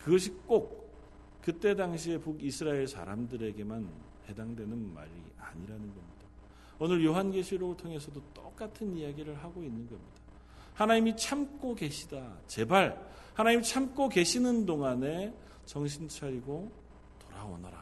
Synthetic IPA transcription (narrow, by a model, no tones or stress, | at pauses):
kɯɡʌɕʰik͈ok̚ | k͈ɯt͈e̞daŋɕʰie̞puɡisʰɯɾaeɭsʰa̰ɾamdɯɾe̞ɡe̞man | he̞daŋdwe̞nɯnma̰ɾḭ | a̰ɲiɾanɯnɡʌmɲid̥a | onɯɾjoɦanɡeɕʰiɾoɯɭtʰoŋe̞s̬ʰʌdot͈ok͈atʰɯnijaɡiɾɯɭɦaɡoinːɯnɡʌmɲid̥a | hanaɲimit͡ɕʰamk͈oke̞ɕʰidat͡ɕe̞baɭ | hanaɲimit͡ɕʰamk͈oke̞ɕʰinɯndoŋane̞ | t͡ɕʌŋɕ̬ʰint͡ɕʰaɾiɡo | toɾawo̰nʌɾa̰